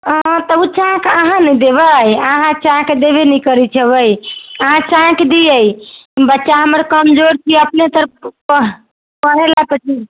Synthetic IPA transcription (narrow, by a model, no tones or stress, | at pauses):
ət̪əut͡ʃãkaɦãnəd̪eβəjaɦãt͡ʃãkd̪eβenikəɾit͡ʃʰɛbəjəɦãt͡ʃãkd̪iəjbətːʃaɦəməɾkəmd͡ʒoɾt͡ʃʰiəpnet̪əɾpəɦ | pəɦelap̪əʈʰi